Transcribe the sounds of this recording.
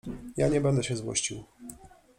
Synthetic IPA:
jaɲɛbɛnd̪ɛɕɛzwɔ̰ɕt͡ɕiw

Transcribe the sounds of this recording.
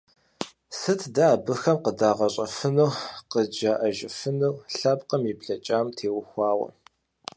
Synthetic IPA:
sɨtʰdaːbɨxɐmqədaːʁɐɕʼɐfɨnowqəd͡ʒɐʔɐʒɪfɨnowɬɐpqəmipɬɐt͡ʃʼaːmtʰeːwʊxʷɑːʁɐ̰

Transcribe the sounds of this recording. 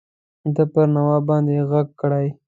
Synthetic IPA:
d̪əpəɾnawɑbɑnd̪eɣaɡ̚kɽaj

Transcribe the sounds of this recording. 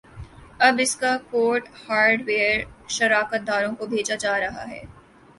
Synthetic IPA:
ɐbɪskakoːɾʈhaːɾɖʋeːəɾʃɐɾaːkət̪̚d̪aːɾõkobʱeːd͡ʒad͡ʒaːɾɐɦa̰ɦɛ̰ː

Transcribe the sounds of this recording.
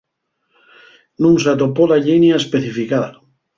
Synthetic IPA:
nũŋs̬at̪̬opolaʎinjaespeθifikaða̰

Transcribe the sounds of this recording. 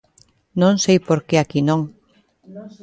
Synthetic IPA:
nõŋsejpoɾkeakinõŋ

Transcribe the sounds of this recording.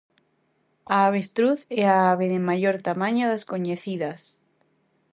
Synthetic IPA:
aaβ̞est̪ɾuθɛaaβeðemaʎoɾt̪amãɲoðaskoɲeθiðɐs

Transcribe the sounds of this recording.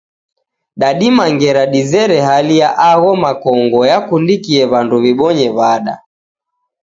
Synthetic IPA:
ɗaɗimaŋɡɛɾaɗizɛɾɛɦalijaʔaɣɔmakɔŋɡɔjakundikiɛβanduβiɓɔɲɛβaɗa̰

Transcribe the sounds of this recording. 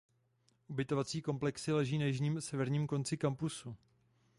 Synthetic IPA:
ʔubɪt̪o̞vat͡siːko̞mplɛksɪlɛʒiːnajɪʒɲiːmsɛvɛɾɲiːmko̞nt͡sɪkampusu

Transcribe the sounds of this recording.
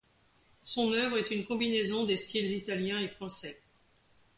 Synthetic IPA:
sɔ̃nœvʁɛt̪ynkɔ̃binezɔ̃d̪est̪ʰilzit̪aljɛ̃efχɑ̃sɛ

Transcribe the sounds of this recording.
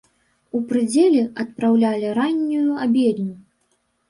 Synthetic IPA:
upɾɨd͡zʲɛlʲiɐt̪̚pɾawlʲalʲiɾanʲːujuabʲɛd̪nʲu

